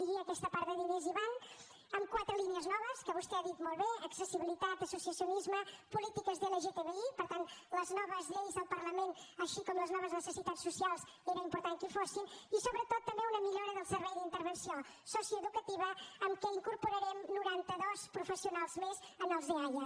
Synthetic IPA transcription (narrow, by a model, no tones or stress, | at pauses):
d̪iɣiɐːkɛst̪ɐpaɾðəðineziβan | əmkwat̪ɾəliniəznɔβəskəβust̪ɛaðit̪mɔlˠβeəksəsiβilˠit̪at̪əsusiəsjunizməpulit̪ikəzðeleʒet̪eβeipəɾt̪ant̪ləznɔβəzʎejzðəlˠpɐɾlˠəmẽnt̪əʃikɔmləznɔβəznəsəsit̪at̪sːusialˠz | ɛɾɐimpuɾt̪ãnkufosinisoβɾət̪ot̪ut̪ɐmbeunɐmiʎoɾɐðəlˠsəɾβɛjðint̪əɾβənsio | sɔsjuəðukət̪iβɐːmkəiŋkuɾpuɾɐɾɛmnuɾant̪əðɔspɾufəsiunalˠzmez | ənalˠzðiaɾjɐ